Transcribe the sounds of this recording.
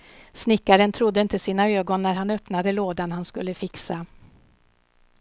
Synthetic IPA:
snɪkːaɾənt̪ʰɾʊd̪ːəɪnt̪əsiːnaøːɡɔnːæɾɦanœpnad̪əloːd̪anhanskɵlːəfɪksa

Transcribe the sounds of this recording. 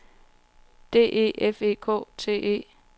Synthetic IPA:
d̥e̝̰ːʔe̝̰ːefe̝̰ːkʰɔ̰ːt͡sʰe̝̰ːʔe̝̰ː

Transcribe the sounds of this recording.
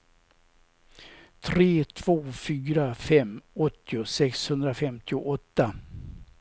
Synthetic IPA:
t̪ʰɾeːt̪ʰv̥oːfyːɾafɛmːɔt̪ːɪʊsɛkshɵnd̪ɾafɛmt̪ʰɪʊʔɔt̪ːa

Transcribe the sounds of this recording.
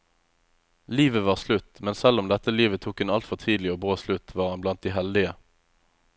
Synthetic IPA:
liːʋəʋɑːʁslʉt̪mɛnsɛlʊmd̪ɛt̪əliːʋət̪ʰuːkhʉnɑlt̪fɔʁt̪ʰiːd̪l̩ɪoːbʁoːslʉt̪ʰʋɑːʁɑnblɑnt̪̚d̪iːɦɛld̪ɪə

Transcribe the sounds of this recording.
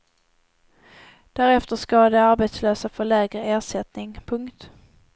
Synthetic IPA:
d̪̥æɾɛft̪əʂkɑd̪ɛaɾbet̪sløːsafœɭɛːɡɾəeːʂɛt̪nɪŋpʰɵŋkt̪

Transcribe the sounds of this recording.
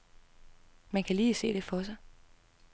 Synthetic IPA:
mænkʰæliːse̝̰ːɾ̥e̝fɒ̽sɑ̈ɪ

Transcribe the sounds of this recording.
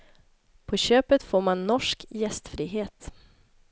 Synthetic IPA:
pʰɔɕøːpət̪foːɾmanːɔʂkjɛst̪fɾiːɦeːt̪

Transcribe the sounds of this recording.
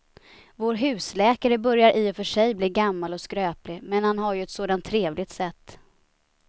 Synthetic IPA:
voːɾɦʉ̟ːslɛːkaɾəbœɾjaɾʔiːɔfœʂɛjbliːɡamːalɔskɾøːplɪmɛnhanɦaɾjɵɛt̪soːd̪ant̪ʰːɾeːvlɪɡt̪sɛt̪ː

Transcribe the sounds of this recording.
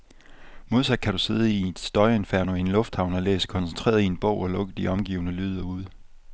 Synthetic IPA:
mo̝ð̞ˠsæ̥kʰæɾuse̝ð̞ˠəid̥sd̥ɒ̽ɪe̝nfæɐ̰noenlɔ̽fd̥hɑ̈ʊnɒlḛːskʰɒ̽nsen̩t͡sʰʁḛːɐðˠie̝nb̥ɔ̰ʊɒ̽lɔ̽ɡ̥əð̩d̥iɒ̽mɡ̥iːʊnəlyːð̞ˠɐuð̞̰ˠ

